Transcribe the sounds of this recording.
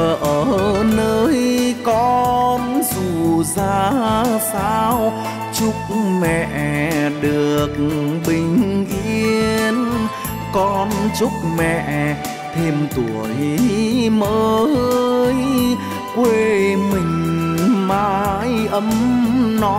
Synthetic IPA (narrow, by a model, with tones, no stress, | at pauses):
ʔəː˨˩˧nəəː˧jkɔ˧nzu˨˩zaː˧saː˧w | t͡ɕʊ˦˥k͡p̚mɛ̰˧˨ʔɗɨ˨˩əəək̚ɓï˨˩ŋ̟ʔḭ˧əən | kɔ˧˩nt͡ɕʊ˦˥k͡p̚mɛ̰˧˨ʔ | t̪ʰe˧mt̪u˨˩əj | məː˧ | j | kwe˧mï˨˩ŋ̟maː˧jʔə˧˦mnɔ˧˦